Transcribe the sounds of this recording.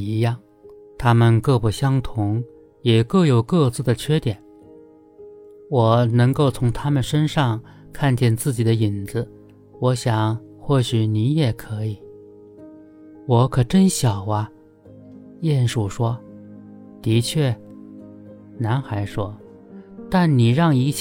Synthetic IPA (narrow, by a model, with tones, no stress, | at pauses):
i˧˥jɑ˥˩ŋ | t̪ʰa˥mə˨nkɤ˥˩pu˨˩ɕjɑ˥ŋt̪ʰʊ˧˥ŋ | jɛ˨˩kɤ˥˩jo˨˩ʊkɤ˥˧t͡sɹ̩˥˩d̪ə˩t͡ɕʰɥɛ˥t̪jɛ˨˩˦n | wɔ˨˩nɤ˧˥ŋko˥˩ʊt͡sʰʊ˧˥ŋt̪ʰa˥mə˨nʂə˥nʂɑ˥˧ŋ | kʰa˥˧nt͡ɕjɛ˥˧nt͡sɹ̩˥˩t͡ɕi˨˩d̪ə˦i˨˩nd͡zɹ̩˦ | wɔ˧˥ɕjɑ˨˩ŋ | xwɔ˥˩ɕy˨˩ni˧˥jɛ˨˩kʰɤ˧˥i˨˩˦ | wɔ˧˥kʰɤ˨˩ʈ͡ʂə˥nɕjɑ˨˩ʊɐ˦ | jɛ˥˧nʂu˨˥˩ʂwɔ˥ | t̪i˧˥t͡ɕʰɥɛ˥˩ | na˧˥nxa˧˥ɪʂwɔ˥ | t̪a˥˩nni˨˩ɻɑ˥˩ŋi˧˥t͡ɕ